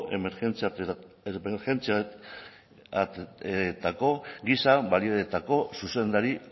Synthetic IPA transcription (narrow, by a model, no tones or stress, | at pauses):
ʔe | eɾxe̞nt͡sia | t̪ako̞ɡisaβalio̞et̪ako̞suse̞nd̪aɾi